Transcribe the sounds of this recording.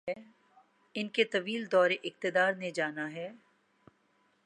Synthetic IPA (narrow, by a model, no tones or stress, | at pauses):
ɛ | ɪnket̪ɐʋiːld̪ɔːɾeʔɪq̚t̪ɪd̪aːɾned͡ʒaːnaɦɛː